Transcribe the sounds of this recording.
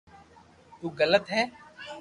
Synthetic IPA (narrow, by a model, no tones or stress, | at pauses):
t̪uːɡələt̪ɦɛː